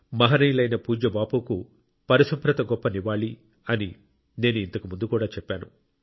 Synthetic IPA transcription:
mɐɦɐnɐjlɐjnɐpuːd͡ʒɐbaːpuku | pɐɾɐsumpɾɐt̪ɐɡɔpːɐniʋaːɭi | ɐni | ne̞ːnuint̪ɐkumund̪ukuːɽaːt͡ʃɛpːaːnṵ

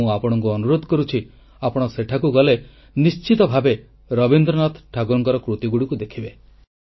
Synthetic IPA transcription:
ũapɔɽ̃ɔŋkuɔnuɾod̪ʱɔkɔɾut͡ʃʰi | apɔɽ̃ɔseʈʰakuɡɔle | nist͡ʃit̪ɔbʱabe | ɾɔbind̪ɾɔnat̪ʰʈʰaɡuɾɔŋkɔɾɔkɾut̪iɡuɽikud̪ekʰibe

